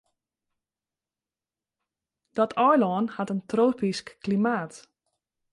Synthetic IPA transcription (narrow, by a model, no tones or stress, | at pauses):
d̥ɔtʰɔjlɔːnhatəntroːpiskːlimaːt